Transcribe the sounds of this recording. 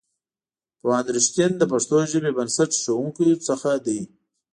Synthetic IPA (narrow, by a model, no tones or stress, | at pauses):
pəɑnd̪ɾɪʃt̪ind̪əpaʂt̪oʒəbebənsaʈʃawuŋkit͡səxad̪ij